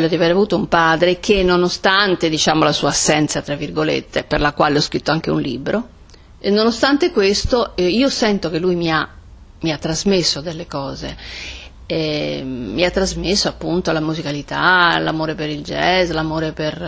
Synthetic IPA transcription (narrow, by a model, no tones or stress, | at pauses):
lːod̪iaveːɾavuːt̪oumpaːd̪ɾek̟enːonost̪ant̪ed̪it͡ʃaːmolasuːaːsːɛnt̪sat̪ɾavːirɡolḛt̪ːeperlakwaːleɔskɾit̪ːoaŋk̟eṵnlḭːbɾʔo | enːonost̪ant̪ekwest̪oiːosɛnt̪ok̟elːujmia | miat̪ːɾazmesːoad̪elːekɔːze | ɛmːiat̪ːɾazmesːoapːunt̪olamuzikalit̪alamoːɾepeɾild͡ʒɛslamoːɾeper